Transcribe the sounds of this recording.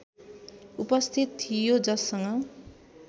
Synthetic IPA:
upʌst̪ʰit̪t̪ʰːijod͡zʌsːʌŋʌ

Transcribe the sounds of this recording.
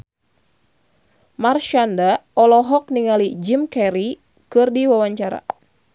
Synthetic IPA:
marʃandaɔlɔɦɔk̚niŋalid͡ʒimkɛɾi | kɨrdiwawaɲt͡ʃaɾa̰

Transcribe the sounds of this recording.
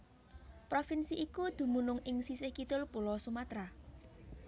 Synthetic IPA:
pɾofinsiʔikud̪̥ṳmunʊŋʔɪŋsisɪhkit̪ʊlpulɔsumat̪ɾa

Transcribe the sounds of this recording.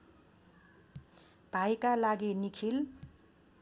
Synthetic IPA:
b̪̥ʱajkalaɡinikʰil

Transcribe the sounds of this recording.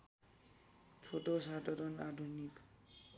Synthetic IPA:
t͡sʰoʈosadʌɾʌnadʱunik

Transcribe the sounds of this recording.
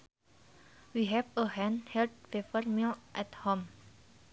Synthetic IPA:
wiɦɛvəɦɛ̃nhɛld̚fefərmilʔɛthõm

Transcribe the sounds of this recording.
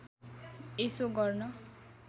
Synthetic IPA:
esoɡʌrnʌ

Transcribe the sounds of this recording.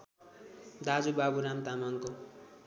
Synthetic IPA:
d̪ad͡zubabuɾamt̪amaŋko

